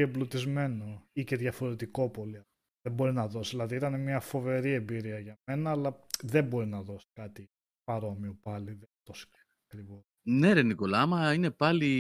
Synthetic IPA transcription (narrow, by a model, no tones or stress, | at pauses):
ieblut̪izme̞no̞ice̞ðʝɐfo̞ɾet̪iko̞po̞liɐ | embo̞ɾinɐðo̞sðilɐðiit̪ɐnemɲɐfo̞ve̞ɾie̞mbiɾiɐʝɐme̞nɐːlɐðe̞mbo̞ɾinɐðo̞si̥kɐt̪i | pɐɾo̞miopɐliðet̪osi̥ | ɐkɾivo | ne̞ɾeniko̞lɐɐmɐine̞pɐli